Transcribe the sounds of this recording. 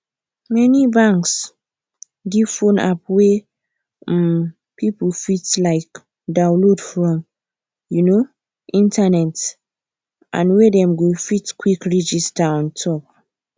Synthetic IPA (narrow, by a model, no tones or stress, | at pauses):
mɛnibãŋks | ɡivfõna̰p̚we | m | pʰipəlfitlaɪk | dãʊlodfɹɔ̃m | juno | ʔĩntanɛt | ʔã̰nwedɛ̃mɡofitkwikɹid͡ʒistaɔ̃ntʰɔp̚